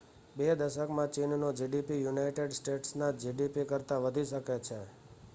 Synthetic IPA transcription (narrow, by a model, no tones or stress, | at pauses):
bed̪əʃəkmãt͡ʃinnod͡ʒiɖipijunajʈeɖsʈeʈsnad͡ʒiɖipikəɾt̪aʋəd̪ʱiʃəket͡ʃʰe